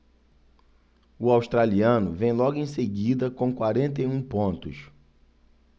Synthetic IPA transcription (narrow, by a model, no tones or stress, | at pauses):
ʊawʃt̪ɾaliɐ̃nʊvẽj̃lɔɡʊẽj̃seɡid̪ɐkõkwaɾẽnt̪ejũpõnt̪ʊ̰s